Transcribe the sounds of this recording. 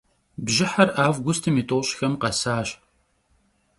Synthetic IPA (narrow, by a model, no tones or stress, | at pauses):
bʒɪħɐrʔaːvɡʷʊstʰɨmiːtʼoɕxɐmqɐsaːɕ